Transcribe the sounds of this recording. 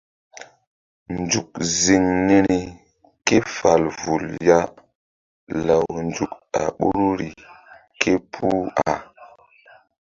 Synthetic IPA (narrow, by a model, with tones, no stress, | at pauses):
nd͡ʒu˨k̚zi˨ŋni˦ni˨ | ke˦fa˨lvu˨lja˦ | la˨wnd͡ʒu˨k̚a̰˨ɓu˦ɾu˦ɾi˨ | kʰe˦pʰu˦a˨